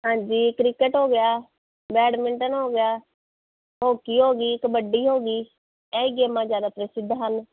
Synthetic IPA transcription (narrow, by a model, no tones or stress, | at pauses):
ɦãːɲd͡ʒiːkɾɪkəʈɦoːɡɪjaː | bɛːɽmɪɳʈənɦoːɡɪjaː | ɦoːkiːɦoːɡiːɪkbəɖiːɦoːɡiː | ɛːiɡeːmãːd͡ʒjaːd̪aːpɾəsɪd̪ʱːɦən